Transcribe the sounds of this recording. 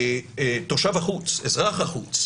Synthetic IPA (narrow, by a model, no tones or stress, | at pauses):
t̪oʃavaχut͡sezʁaχaχut͡s